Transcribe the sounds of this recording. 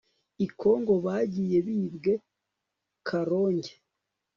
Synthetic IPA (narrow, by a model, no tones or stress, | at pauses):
ikʰo̞ːŋɡo̞βaːɟije̞βiːbɡe̞ | kʰaɾoːɲɟe